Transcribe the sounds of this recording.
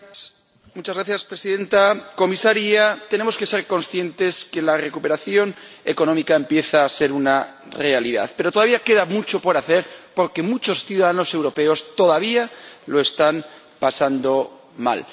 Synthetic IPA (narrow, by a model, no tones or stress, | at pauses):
mut͡ʃazɣɾaθjaspɾe̞siðẽ̞nt̪ako̞misaɾiat̪e̞ne̞mo̞ske̞se̞ɾko̞nsθje̞nt̪e̞ske̞lare̞kupe̞ɾaθjo̞ne̞ko̞nõ̞mikaempje̞θaːse̞ɾuna | re̞aliða̰ðpe̞ɾot̪oaβiake̞ðamut͡ʃo̞po̞ɾaθe̞ɾpo̞ɾke̞mut͡ʃo̞sθjuðaðanose̞wɾo̞pe̞o̞st̪o̞ðaβ̞ialo̞e̞st̪an | pasand̪o̞ | ma̰l